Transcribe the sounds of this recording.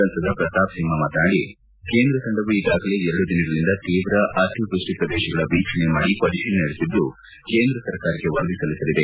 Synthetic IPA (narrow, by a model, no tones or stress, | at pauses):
ɐnt̪ɐd̪ɐpɾɐst̪aːpsimɐmaːt̪naːɽi | ke̞ːnd̪ɾɐsɐɳɖɐʋuid̪aːɡɐle̞ɛɾɐɽud̪inɐɡɐɾind̪ɐt̪iːʋɾɐʔaɾt̪jud̪ɾusʈipɾɐd̪ɛːʃɐɡɐɭɐʋiːkʂɐɳemaːɽipɐd͡ʒiʃɐnnɐɽesid̪ːu | ke̞ːnd̪ɾɐsɐɾkaːɾɐkːe̞ʋɐɾɐd̪isɐlisɐlid̪e